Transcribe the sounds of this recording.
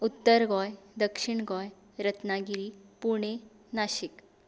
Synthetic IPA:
ut̪ːəɾɡɔjd̪əkʂiɳɡɔj | ɾət̪naɡiɾipuɽ̃e | naɕik

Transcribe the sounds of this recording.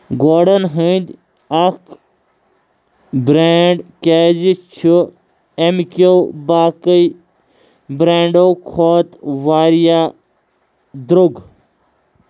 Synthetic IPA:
ɡoːɖənɦənd̪ʲ | ɐk | bɾeɖkeːd͡ʒit͡ʃʰu | emikowbaːkəj | bɾeːɳɖowkʰoːt̪ʋaːɾjaː | d̪ɾuɡ

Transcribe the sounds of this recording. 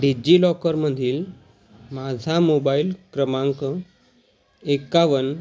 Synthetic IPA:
ɖid͡ʑiːlɔkəɾməd̪ʱiːl | mad͡zʱamobailkɾəmãŋkə | ekːaʋən

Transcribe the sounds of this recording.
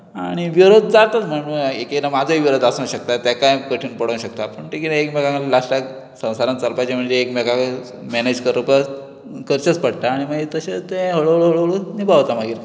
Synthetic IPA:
aɽ̃iʋiɾod̪̚d͡zat̪at͡sm̤əɳuːnekenamad͡zʱoiʋiɾod̪asãɕək̚t̪at̪jakajkəʈʰiːnpəɽoñɕək̚t̪apəɳʈikit̪aekmekãklasʈak | sə̃w̃saɾant͡səlpat͡ɕam̤əɳd͡zeːkmɛkãk | mɛned͡ʑkəɾəpəɾ | kəɾt͡ɕət͡spəɽt̪aːɽ̃imaɡd͡ʑet̪əɕet̪ẽɦəɭoɦəɭoɦəɭoɦəɭonibʱaʋt̪amaɡiːɾ

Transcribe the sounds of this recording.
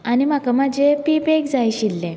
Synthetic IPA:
anim̤akamad͡ʑepipeɡd͡zajɕilːẽ

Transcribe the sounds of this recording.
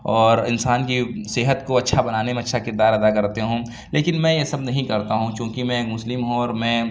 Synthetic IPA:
ɔːɾɪnsaːnkisɪɦət̪koɐtːʃʰabɐnaːnemẽɐtːʃʰakɪɾd̪aːɾɐd̪akɐɾt̪eɦũː | leːkɪnmɛ̃ːjesɐbnɐɦĩkɐɾt̪aɦũt͡ʃjõːkimɛ̃kmʊslɪmɦõɔːɾmɛ̃ː

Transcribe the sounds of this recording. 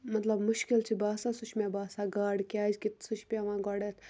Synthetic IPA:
mɐt̪lɐbmʊʃkilt͡ʃʰibaːsaːsuʃʰmebaːsaːɡaːɖkʲaːd͡ʒkit̪sut͡ʃʰpʲaʋãːɡɔːɽet̪ʰ

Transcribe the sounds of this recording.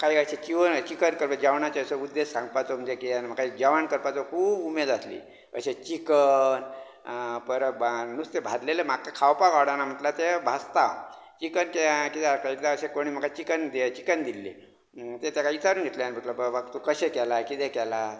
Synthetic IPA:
kaiəɕet͡ɕiʋənt͡ɕikənkəɾpad͡ʑaʋɳat͡ɕeəsəud̪ːesːãŋɡpat̪om̤əd͡ʑekeanm̤akaid͡ʑaʋankəɾpat͡sokʰuːbumed̪aslḭː | ə̰ɕet͡ɕikən | pəɾbnust̪ebʱad̪lelemakakʰawpaɡawɽanam̤əʈ̪lat̪ebʱast̪a | t͡ɕikənkekit̪akait̪laəɕekoɽ̃iːm̤əkat͡ɕikənd̪et͡ɕikənd̪ilːḛ | t̪et̪jakait̪aɾuːnɡʱet̪leanb̤ʱəʈ̪ləpəʋəkt̪ukəɕekɛlakit̪ekɛla

